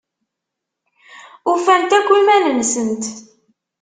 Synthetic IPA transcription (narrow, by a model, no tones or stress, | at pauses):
ufænt̪ækʷːimælənsənt̪